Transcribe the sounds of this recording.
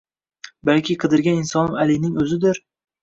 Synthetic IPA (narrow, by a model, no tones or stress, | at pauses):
balkʲʰɪqʰɨd̪ɪɾɡʲanɪnsɒnɪmalɪnɪŋɵzɪd̪ɪɾ